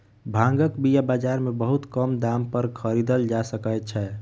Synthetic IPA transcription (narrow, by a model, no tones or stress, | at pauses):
bʱãŋɡəkbijabad͡ʒaɾmebəɦut̪kəmd̪ampəɾkʰəɾid̪əld͡ʒasəkəjt̪̚t͡ʃʰɛ